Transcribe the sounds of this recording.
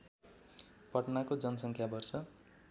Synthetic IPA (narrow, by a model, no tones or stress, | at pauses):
pʌʈnakod͡zʌnʌsʌŋkʰjabʌrsʌ